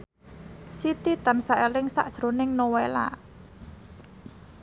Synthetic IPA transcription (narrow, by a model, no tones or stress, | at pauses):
sit̪it̪ansaʔelɪŋsa̰ʔd̥ʒ̥ɾo̤nɪŋnowela̰